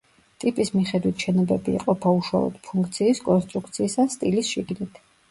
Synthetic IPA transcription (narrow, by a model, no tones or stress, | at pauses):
t̪ʼipʼismiχɛd̪wit̪ʰʃɛnɔbɛbḭːqʼɔpʰauʃwa̰lˠɔ̰d̪̥pʰuŋkʰt̪sʰiːskʼɔnst̪ʼɾukʰt̪sʰiːsast̪ʼilisʃiɡnit̪ʰ